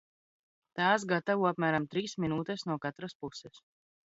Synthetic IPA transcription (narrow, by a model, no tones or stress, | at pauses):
t̪aːsɡat̪avuapmæːɾamt̪ɾiːsminuːt̪ɛsnuɔkat̪ɾaspusɛs